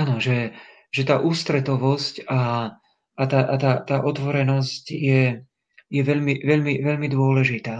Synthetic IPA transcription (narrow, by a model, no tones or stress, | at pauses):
aːnɔʒɛ | ʒɛt̪aːʔuːst̪ɾɛt̪ɔʋɔscaː | t̪aːʔat̪aːt̪aːʔɔt̪ʋɔɾɛnɔscjɛ | jɛʋɛʎmiʋɛʎmiʋɛʎmid̪ʊɔlɛʒit̪aː